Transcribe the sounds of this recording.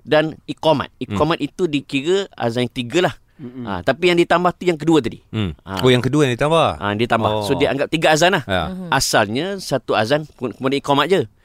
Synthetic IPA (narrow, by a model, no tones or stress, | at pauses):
danikoma̰t̪̚ikomat̪it̪udikiɾəa̰zanjaŋt̪iɡalah | ʔa̰t̪apijaŋdit̪ambaht̪ujaŋk̬əduət̪̬adḭa̰ojaŋkəduajadit̪ambaha̰dit̪ambahsodiʔa̰ŋɡap̚t̪iɡaazanlaha̰asalɲə̃sat̪uazankəmadaikomat̪̚d͡ʒə